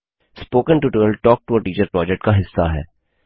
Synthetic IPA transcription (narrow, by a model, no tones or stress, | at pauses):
spoːkə̃nʈuʈəəlʈɔːk̚ʈuəʈiːt͡ʃəɾpɾɔːd͡ʒɛk̚ʈkaɦɪsːaɦɛ̰ː